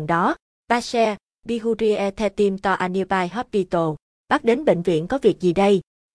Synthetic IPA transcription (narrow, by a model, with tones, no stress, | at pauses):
ŋɗɔ˨˦ | ɓaː˧sɛ˧ | ɓi˧ɣu˧ɾi˧ʔɛ˧t̪ʰɛ˧t̪i˧mt̪ɔ˧ʔa˧ni˧baː˧jɦɔː˦˥p̚vi˧t̪o˧ | ɓaː˦˥k̚ɗe˨˦nɓḛ˧˨ŋ̟vḭ˧˨ənkɔ˨˦vi˨˩ək̚zi˨˩ɗə˧j